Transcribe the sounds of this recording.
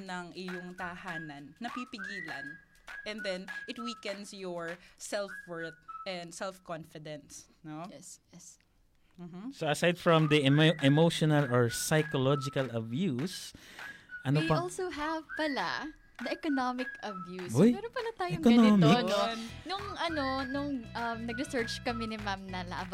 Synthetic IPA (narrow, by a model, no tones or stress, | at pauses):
nɐŋɪjʊŋt̪ɐhaːnɐnːɐpipɪɡiːlɐn | ʔɛ̃nd̪ɛnʔɪt̪̚wikɛ̃nsjɔɹsɛlfwɛɹt̪̚ʔɛnd̪sɛlfkɔ̃nfɪd̪ɛ̃ns | nojɛɛs | m̩ɦ̩soʔɐsajd̪fɹɔ̃md̪iɛʔɛmowʃɔnɐlɔɹsajkɔlɔd͡ʒɪkɐlɐbjus | ʔɐnoipɐolsowɦɐvpɐla̰ | nɐʔɛkonomɪkɐbjusojmɛɾonpɐlat̪aːjɛʊŋkonomɪnonnʊŋʔɐnonʊŋʔɐmnɐɡɾɪsɛɹt͡ʃkɐmɛnɪmamnɐla̰ʔbɐ